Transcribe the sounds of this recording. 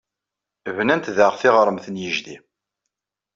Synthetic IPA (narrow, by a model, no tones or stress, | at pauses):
vnænt̪ðəʁθɪʁɾˤəmθənjəʒðḭ